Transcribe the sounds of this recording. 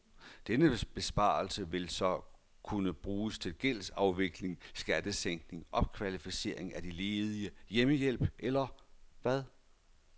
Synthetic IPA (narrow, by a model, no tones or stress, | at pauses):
d̥enəb̥e̝sb̥ɑ̰̈ːlsəʋe̝lsɒ̽ | kʰunəb̥ʁuːst͡sʰe̝lɡ̥el̰sɑ̈ʊʋe̝ɡ̥le̝ŋsɡ̥æd̥əseŋ̰ɡ̥ne̝ŋʔɒ̽b̥̚kʰʋælifise̝ɐe̝ŋæd̥ile̝ːð̞ˠiəjeməjel̰b̥ʔelɐʋæð̞ˠ